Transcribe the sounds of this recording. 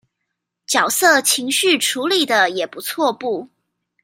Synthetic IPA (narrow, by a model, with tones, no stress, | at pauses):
t͡ɕjɑ˨˩ʊsɤ˥˩t͡ɕʰi˧˥ŋɕy˥˩ʈ͡ʂʰu˧˥li˨˩d̪ə˩jɛ˨˩pu˧˥t͡sʰwɔ˥˧pu˥˩